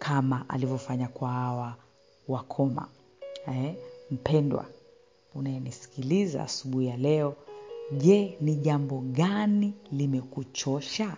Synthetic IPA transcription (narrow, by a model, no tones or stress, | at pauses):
kʰamaʔa̰livɔfaɲakwaawa | wakʰɔma̰ | m̩pɛndwa̰ | unajɛnisi̥kiliza̰a̰suɓuhijalɛɔʄɛniʄambɔɠanilimɛkut͡ʃɔʃa